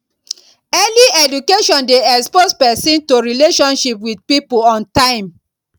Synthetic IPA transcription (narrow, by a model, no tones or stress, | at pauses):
ɛliɛdukeʃɔ̃ndeɛkspospɛsĩntoɹileʃɔ̃nʃipwidpipoɔ̃ntãɪ̃m